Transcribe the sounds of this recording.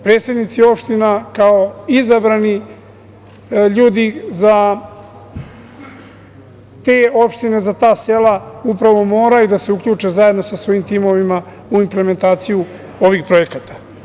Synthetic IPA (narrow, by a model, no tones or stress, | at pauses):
pɾe̞ːsed̪nit̪sio̞pʃt̪inakao̞izabɾani | ʎuːd̪iza | t̪e̞ːo̞pʃt̪ine̞zat̪aːse̞laupɾaʋo̞mo̞ːɾajud̪ase̞uklʎuːt͡ʂe̞zajed̪no̞sasvʋo̞jimt̪imo̞ʋima | uimpleme̞nt̪aːt̪siju | o̞ʋixpɾo̞e̞kat̪ḁ